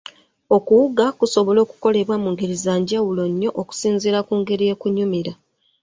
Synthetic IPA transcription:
o̞kuwuɡakuso̞βo̞lo̞ːku̥ko̞le̞βwamuːŋɡeɾizaːɲɟawulo̞ɲːo̞ʔoku̥siːnziɾakuːŋɡe̞ɾije̞kuɲumiɾa

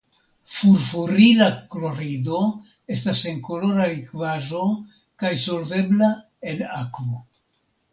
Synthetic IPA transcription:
fuɾfuɾilaklo̞ɾido̞ | e̞stase̞ŋko̞lo̞ɾaɾikvaʒo̞ | kajso̞lve̞bla | e̞nakvo̞

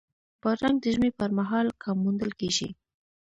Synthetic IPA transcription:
pəɾaŋɡ̚d̪əʒmepəɾmaɦɑlkʰamːund̪əlkeʒḭ

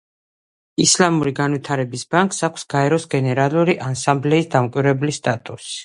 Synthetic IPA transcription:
islamuɾiɡanvit̪ʰaɾɛbisbaŋkʼsakʷʰsɡ̥aɛɾɔsɡɛnɛɾalˠuɾiʔansamblɛisd̪amkʼwiɾɛblist̪ʼat̪ʼusi̥

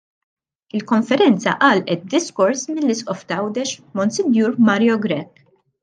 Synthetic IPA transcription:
ɪlkɔɱfɛɾɛnt͡sɐ̰ʔɐːlʔɛt̪̚d̪ɪskɔɾsmɪlːɪsʔɔft̪ɐɐwd̪ɛʃmɔnsɛnjuːɾmɐɾjɔɡɾɛkː

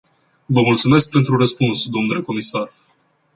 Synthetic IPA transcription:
vəmult̪sume̞sk̚pe̞nt̪ɾurəspunsd̪onule̞ko̞misar

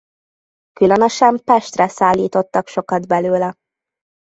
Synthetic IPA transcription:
kylønøʃɛmpɛʃt̪rɛsaːlːiːt̪o̞t̪ːɒkʃo̞kɒd̪bɛløːlɛ

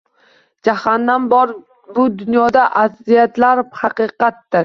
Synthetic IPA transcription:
d͡ʒahanːanbɒɾ | bʊd̪ʊnjɒd̪aʔazːijat̪laɾhɑqɨqɑt̪ːɪɾ

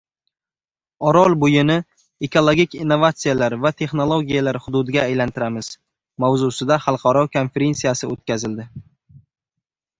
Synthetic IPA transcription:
ɒɾɒlˠbʊjɪnɪ | e̞kʰo̞lˠoɡʲikʲinːovat̪sijalaɾvat̪ʰe̞χnolˠoɡʲijalaɾhʊd̪ʊd̪ɪɡʲaːjlant̪ʰɪɾamɪz̥ | mawzusɪd̪aχɑlˠqʰɑɾɒkʰo̞nfeɾe̞nsijasɪot̪̚kʲazɪld̪ɪ

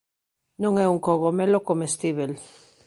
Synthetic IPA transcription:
nõŋeuŋkoɣomelokomest̪iβel

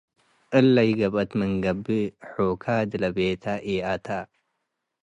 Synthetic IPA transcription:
ʔɨlːɐjɡɐβʔɐt̪mɨŋɡɐbɨħokʰad̪ɨlɐbet̪ʰaʔiʔat̪ʰa

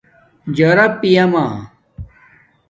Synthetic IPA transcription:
d͡ʑɐɾɐpːijɐmaː

